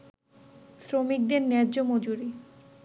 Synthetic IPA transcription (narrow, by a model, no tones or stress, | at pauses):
sɾomik̚d̪eɾnɛɾd͡ʑomod͡ʑuɾi